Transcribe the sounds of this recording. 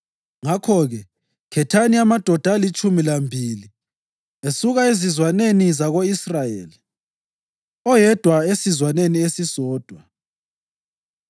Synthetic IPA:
ŋakʰɔɣɛ | kʰɛtʰaniamad̥ʱɔd̥ʱalit͡ʃʼumilambʱili | esuɣaezizwanenizaɣoisrajḛːli | ɔjɛd̥ʱwaesizwaneniesisɔːd̥ʱwa

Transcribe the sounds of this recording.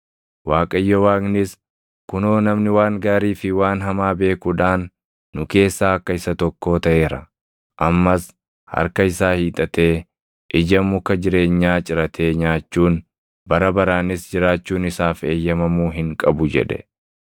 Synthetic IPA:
waːkʼɐjːɔwaːɡnɪs | kʊnoːnɐmnɪwaːŋɡaːɾiːfɪwaːnɦɐmaːbe̞ːkʊᶑaːnː | ʊke̞ːsːaːɐkːɐɪsɐt̪ɔkːo̞ːt̪ɐʔe̞ːɾɐ̰ | ʔɐmːɐs | hɐ̰ɾkɐɪsaːhiːt̪ʼɐt̪e̞ː | ʔɪd͡ʒɐmʊkːɐd͡ʒɪɾe̞ːɲːaːt͡ʃʼɪɾɐt̪ʰe̞ːɲaːt͡ʃːuːn | bɐɾɐbɐɾaːnɪsd͡ʒɪɾaːt͡ʃːuːnɪsaːfe̞ːjːɐmɐmuːɦɪŋkʼɐbʊd͡ʒɛ̰ᶑɛ̰

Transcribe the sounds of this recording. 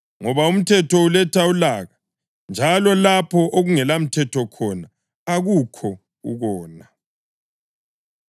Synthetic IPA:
ŋɔβaum̩tʰɛtʰɔulɛtʰaulaːɣa | nd͡ʒʱalɔlapʰɔʔoɣuŋɛlam̩tʰɛtʰɔkʰɔna | aɣukʰɔ | ṵɣɔːna

